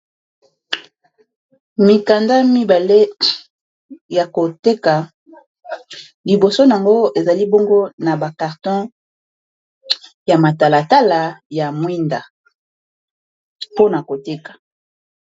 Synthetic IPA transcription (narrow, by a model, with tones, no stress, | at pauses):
mi˨ka˨nda˦mi˦ba˨le˦ | ja˨ko˨te˦ka˨ | li˨bo˨so˦n˨a˨ŋɡo˦e˨za˨li˦bo˦ŋɡo˦na˨ba˨ka˨ʁtɔ̃˦ | ja˨ma˨ta˨la˨ta˦la˨ja˨mwi˦nda˨ | po˦na˨ko˨te˦kḁ˨